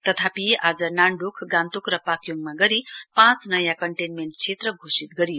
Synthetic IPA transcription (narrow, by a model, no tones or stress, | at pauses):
t̪ʌt̪ʰapiʔad͡zʌnaɳɖukʰɡãnt̪ukrʌpakjoŋmaɡʌɾipãt͡snʌjãkʌɳʈenmeɳʈ̚t͡sʰet̪rʌɡʱosit̪̚ɡʌɾij